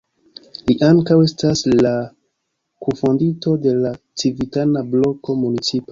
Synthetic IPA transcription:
liʔaŋkawe̞stasla | kufondito̞de̞la | t͡sivitanablo̞ko̞munit͡sipa

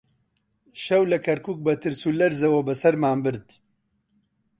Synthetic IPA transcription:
ʃɐwlɐkʰɐɾkuːk̚bɐt̪ʰɨɾsulɐɾzɐwɐbɐsɐɾmaːmbɨɾd̪

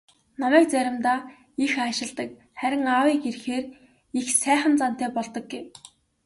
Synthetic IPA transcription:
nɔmæːk̚t͡sæɾʲɪ̆mt̪aː | ixaʃɪ̆ɮt̪ə̆k̚ | χæɾʲɪ̆ŋawiːkerxeːr | ixsæːχə̆nt͡san̥t̪æːpɔɮt̪ɞ̆k̚ɡew

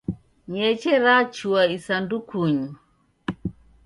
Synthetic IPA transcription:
ɲɛt͡ʃɛɾat͡ʃuaisandukuɲu

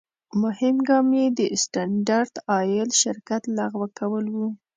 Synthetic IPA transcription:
mʊhɪmɡɑmjed̪əsʈanɖaɾd̪̥ɑjɪlʃɪɾkat̪laɣwəkawəlwu

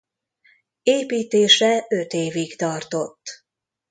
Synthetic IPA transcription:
eːpiːt̪eːʃɛø̞t̪eːviɡt̪ɒrt̪o̞t̪ː

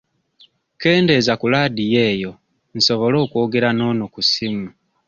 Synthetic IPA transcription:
ke̞ːnde̞zakulaːdije̞ːjo̞ | n̩so̞βo̞lo̞ːkwo̞ːɡe̞ɾano̞nukusimu

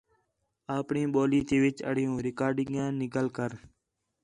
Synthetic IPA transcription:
aːpɳĩːɓoːliːt̪iːʋɪt͡ʃə̰ɽ̤ijũːɾɪkaːɾɖɪŋjãːnɪkəlkəɾ

